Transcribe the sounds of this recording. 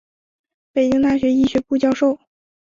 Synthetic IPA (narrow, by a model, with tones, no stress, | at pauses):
pe˨˩ɪt͡ɕi˥ŋt̪a˥˩ɕɥɛ˧˥i˥˩ɕɥɛ˧˥pu˥˧t͡ɕjɑ˥˧ʊʂo˥˩ʊ